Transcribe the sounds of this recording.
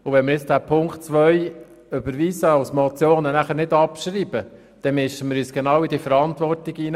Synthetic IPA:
ʊvɛnmɪɾɪt͡sd̥æːpʰʊŋkχtt͡sʋœj | ʏb̥əɾʋiːsəɑwsmɔt͡sjoːnənæχəɾnɪdɑpʃɾiːb̥ə | d̪̥ɛmɪʃəmɪːɾyːsɡ̥enɑːwidifəɾɑnt̪ʋɔrtɪɡiːn

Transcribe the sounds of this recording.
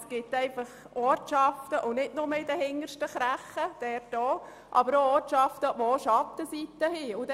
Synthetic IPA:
sɡ̥ɪtɛɪfɑχ | ɔːtʃɑftəʔʊnɪdnʊməɪdɛhɪŋːəɾʃtəχɾæχəd̥ɛɾtdɔː | ʔɑ̰bəɾoɔːtʃɑft̪əʋooʃɑt̪ːəsit̪əhiʊd̪

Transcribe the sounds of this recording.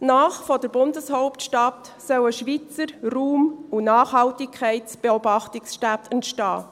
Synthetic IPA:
naːχfɔdəɾbʊndəshɔʊptʃtɑt | sœwəʃʋit͡səɾruːmunɑːχhɑltikʰɛɪtt͡sb̥eɔbɑχtɪksʃtætʰɛntʃtɑ̰ː

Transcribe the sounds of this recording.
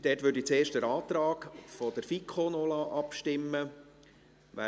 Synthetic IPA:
d̥ɛːtʋøɾdit͡seːʃtəɾɑːt̪ɾɑːɡfɔd̥̪əɾfikʰχonoːlɑʔɑpʃtɪmːə | ʋæ̰ː

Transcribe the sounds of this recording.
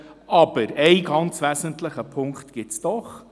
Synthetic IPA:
ʔɑb̥əɾɛɪɡɑnt͡svæzənt̪ləχəpʰʊŋkt̪ɡ̥ɪtsd̥̪ɔχ

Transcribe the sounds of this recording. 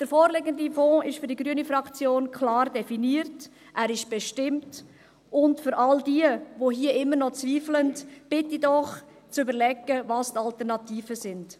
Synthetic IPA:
d̥əɾfɔːɾlɪɡəndifɔ̃ːʔɪʃfʏɾdiɡɾyənifɾɑkt͡sjoːnkʰlɑːɾdɛfiniːəɾt | ʔæːɾɪʃb̥ɛʃtɪmt | ʔʊntfʏɾʔɑldiːəvoɦiəʔɪmːənɔt͡sviːfləntb̥ɪtidɔχ | t͡sybəɾlɛɡəvɑstɑltəɾnɑtiːfəzɪnd̥

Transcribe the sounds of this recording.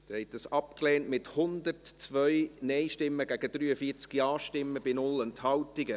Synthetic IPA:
d̥ɛɾhɛt̚dɑsɑpkleːntmɪthʊndəɾtt͡svœʏnɛɪʃtɪmːəɡæɡəd̥ɾyːəfiːt͡skjɑːʃtɪmːəbɪnʊlɛnthɑwtɪɡə

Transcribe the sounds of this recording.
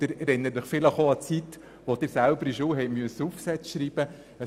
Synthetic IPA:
d̥ɪɾɛɾɪnːəɾdəχfɪləχoɑt͡sit̪ | ʋod̥̪ɪɾsælbəɾiʃoːɦɛɪmyəsəufsɛt͡sʃɾiːb̥ə | ə

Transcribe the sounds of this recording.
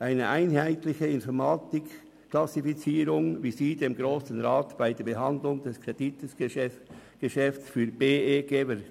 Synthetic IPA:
ʔaɪnəʔaɪnɦaɪtlɪçəɪnfɔʁmaːtɪk | klasifit͡siːɾʊŋviːziːdemɡʁoːsən̩ʁaːtb̥aɪdeːɐbəɦɑndlʊŋd̥ɛskʁed̥itəs | ɡ̥əʃɛfsfyːb̥eːeːɡ̥eːbə

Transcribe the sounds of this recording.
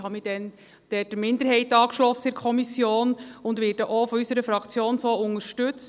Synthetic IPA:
hɑmid̥ɛn | d̥ɛd̥əmɪnd̪əɾɦɛɪtɑːkʃlɔsəɪɾkʰɔmisjoːnʊndʋɪːɾdəʔofɔysəɾəfɾɑkt͡sjoːnsoːʊŋəɾʃtʉt͡s

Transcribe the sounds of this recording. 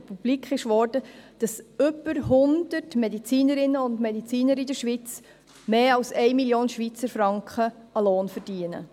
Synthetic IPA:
pub̥likχɪʃʋɔrd̥əd̥ɑsʏbəɾɦʊnd̥ətmɛdit͡siːnəɾɪnːəʊndmɛdit͡siːnəɾidəɾʃʋit͡s | meːɑlsɛɪmiljoːnʃʋit͡səɾfɾɑŋkχəɑloːnfəɾd̥iənə̰

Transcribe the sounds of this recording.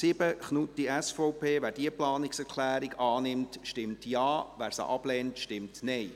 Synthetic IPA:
sɪb̥əχnutːiɛsfɔʊpʰeːʋæːɾdiəplɑːnɪksɛɾkʰlæːɾɪɡɑːnɪmtʃtɪmtjɑːʋæːɾsə̰ʔɑb̥lɛːntʃtɪmtnɛɪ

